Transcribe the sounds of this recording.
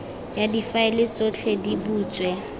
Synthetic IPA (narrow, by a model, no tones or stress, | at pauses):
jadifaelɪt͡sʼot͡ɬʰedibuːt͡sʼwɛ